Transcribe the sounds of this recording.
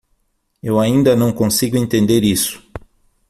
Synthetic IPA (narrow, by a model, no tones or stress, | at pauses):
ewaĩnd̪ɐnɐ̃w̃kõsiɡʊẽnt̪ẽnd̪eɾisʊ̥